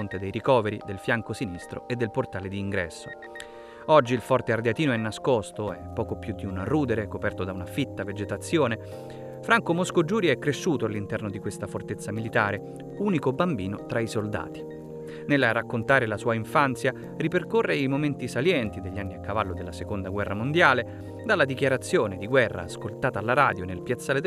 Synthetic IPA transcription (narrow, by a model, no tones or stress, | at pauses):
ont̪ed̪ejɾikɔːveɾḭd̪elfjaŋkosinist̪ɾo̰ed̪ːelport̪aːled̪iːŋɡɾɛ̰sːo | ɔd͡ʒːiːlfɔrt̪eard̪jat̪iːnoɛnːaskɔst̪oɛpːɔːkopjud̪ːiunruːd̪eɾekopɛrt̪od̪aunafit̪ːaved͡ʒet̪at̪sːjoːne | fɾaŋkomoskod͡ʒuːɾjɛkːɾeʃːuːt̪oalːint̪ɛrnod̪ikwest̪afort̪et̪sːamilit̪aːɾe | uːnikobambiːnot̪ɾaisold̪a̰ːt̪i̥ | nelrakːont̪aːɾelasuːaiɱfant̪sja | riperkorːeimoment̪isaljɛnt̪id̪eʎːanːiakːavalːod̪elːasekond̪aɡwɛrːamond̪jaːle | d̪alːad̪ik̟jaɾat̪sːjoːned̪iɡwɛrːa̰ːskolt̪aːt̪aːlːaɾaːd̪jonelpjat̪sːaːled̪